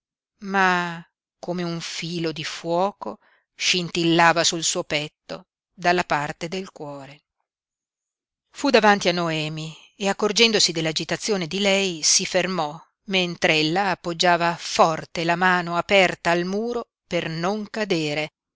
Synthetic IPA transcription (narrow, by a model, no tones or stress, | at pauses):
ma | komeuɱfiːlod̪ifwɔːko | ʃint̪ilːaːvasulsuːopɛt̪ːo̰ | d̪alːapart̪ed̪elkwɔːɾe | fud̪avant̪ianːoɛːmi | eakːord͡ʒɛnd̪osid̪elːad͡ʒit̪at̪sːjoːned̪ilɛjsifermɔ | ment̪ɾeelːaːpːod͡ʒːaːvafɔrt̪elamaːnoapɛrt̪aːlmuːɾo | pernoŋkad̪eːɾe